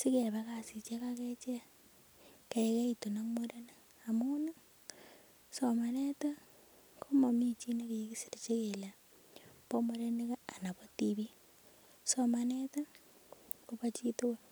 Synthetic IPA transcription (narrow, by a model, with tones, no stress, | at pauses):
si˦ke˨βakasi˨t͡ʃekake˦t͡ʃe˦ | keeke˦ito˨na˦mo˦ɾe˦na | amuna˦ | somaneta˦ | kʰoma˨mi˦t͡ʃi˦ne˦βiki˦si˨ɾe˨t͡ʃe˦kela | bo˦mo˦ɾe˦neka˦a˨na˨βo˦tiβi˦ | somaneta˦ | koβa˦t͡ʃitowe